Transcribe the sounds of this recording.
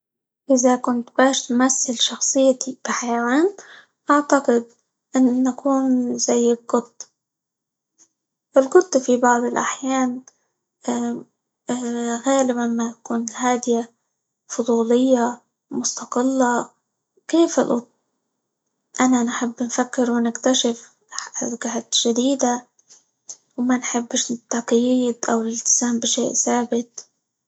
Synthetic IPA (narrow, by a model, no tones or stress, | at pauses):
ʔɪzakʊnt̪baːʃt̪masːɪlʃɑxsˤɨjːat̪ib̥ɪħajawaːn | ʔaʕt̪aqɪd̪̚ | ʔɪnːakʰuːnzajːɪlɡʊt̪ˤː | ʔɪlɡʊt̪ˤːfibɑʕd̪ˤɪlʔaħjaːnː | ɣaːlɪbanmat̪ḁkuːnɪlɦaːd̪ɪja | fʊd̪ˤuːlɪjːa | mʊst̪ɑqɪlːa | keːfɪ̰lʔʊt̪̚ | ʔananħɪbːnfakːɪɾwɪnɪkt̪aʃɪf | ɡahat̪ʒ̥ad̪iːd̪a | wmanħɪbːɪʃɪt̪ːɑqjiːd̪ʔawɪlɪlt̪ɪ̥z̥aːmbɪʃeːʔsaːbɪt̪̚